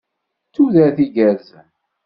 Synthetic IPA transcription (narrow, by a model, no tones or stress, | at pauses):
t͡sːuðæθiʝæɾzən